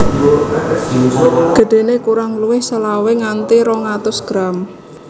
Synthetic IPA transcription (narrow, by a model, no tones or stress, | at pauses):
ɡ̥ə̤ɖ̥e̤nekuɾaŋluwɪhsəlaweŋant̪iɾɔŋat̪ʊsɡ̥ɾam